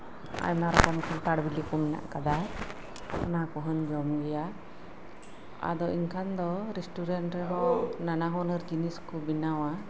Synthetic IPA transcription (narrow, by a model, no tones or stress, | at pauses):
a̰jmnaɾɔkɔmkʰant̪aɽbilikɔmɛna̰ʔkad̪a | ɔnakɔɦɔnd͡ʒɔmɡɛja | a̰d̪ɔʔinkʰand̪ɔɾɛsʈuɾɛɳʈɾɛɦɔnanaɦɔnəɾd͡ʒiniskubinawa